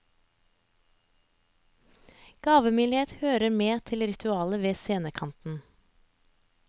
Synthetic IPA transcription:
ɡ̥ɑːʋəmyːlɪheːt̪høːɾəmeːt̪ʰɪlɾɪt̪ʰʉɑːləʋeːseːnəkʰɑnt̪n̩

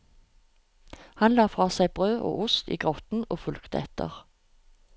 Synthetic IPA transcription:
hɑnlɑːfʁɑːsæɪbʁøːʔo̰ːʔʊst̪ḭːɡʁɔt̪n̩oːfʉlkt̪əɛt̪ʰə̰ʁ

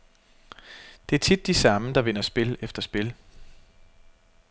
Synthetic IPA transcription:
d̥e̝æɐt͡sʰid̥ːisɑ̈məd̥ɑ̈ʋe̝nɐsb̥e̝lefd̥ɐsb̥e̝l

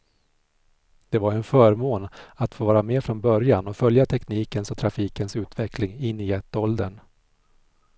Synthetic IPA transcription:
d̪̥ɛvaɾɛnfœːɾmoːnat̪foːvɑːɾameːfɾɔnbœɾjanɔfœljat̪ʰɛkniːkənsɔt̪ʰɾafiːkənsʉ̟ːt̪vɛklɪŋɪnːɪɛt̪ːɔld̪ən

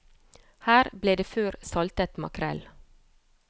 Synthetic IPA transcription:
hæːɾbleːd̪eːføːɾsɑlt̪ət̪mɑ̰kʰɾɛ̰l

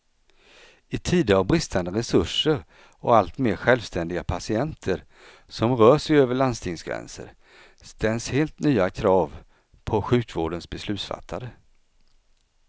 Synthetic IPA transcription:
ɪt̪ʰiːd̪əɾavbɾɪst̪ʰand̪əɾɛsɵʂəɾ | ɔalt̪meːɾɧɛlvst̪ʰɛnd̪ɪɡapʰasɪɛnt̪ʰəɾ | sɔmɾœːʂɛjøːvəɭand̪st̪ʰɪŋsɡɾɛ̰nsə̰ɾ | st̪ɛnsheːlt̪nyːakʰɾɑːv | pʰɔɧʉ̟ːkvoːɖənsbɛslʉ̟ːt̪sfa̰t̪ʰːad̪ə

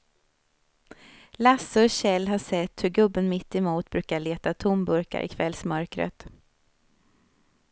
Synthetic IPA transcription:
lasɵɕɛlːɦaʂɛt̪ːhɵɾɡɵbːənmɪt̪ːɪmuːt̪̚bɾʉ̟ːkaɭeːt̪at̪ʰʊmbɵɾka̰ɾʔɪ̰kʰvɛlsmœɾkɾə̰t̪

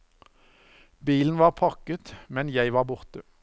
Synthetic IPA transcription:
biːln̩ʋɑːʁpʰɑʁkət̪mɛnjæɪʋɑːʁbʊʁt̪ə

